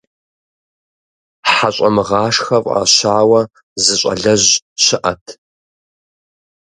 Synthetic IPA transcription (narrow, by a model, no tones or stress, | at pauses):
ħaɕʼɐmɨʁɑːʂxɐpʼa̰ːɕaːwɐ | zɨɕʼɐ̰ɮɐʑɕɪʔɐtʰ